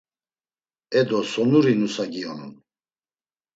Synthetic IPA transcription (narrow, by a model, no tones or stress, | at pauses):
ɛd̪ɔsɔnuɾinusaɡianṵn